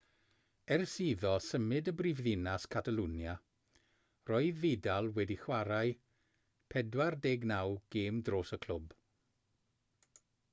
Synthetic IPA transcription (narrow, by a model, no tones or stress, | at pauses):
ɛrsiːðɔsəmɨdəbrivðɪnaskʰatʰalunja | rɔɨðːedalˠwɛdiχwaɾaj | pʰɛdwardeːɡnawɡ̥eːmdroːsəkʰl̥ʊb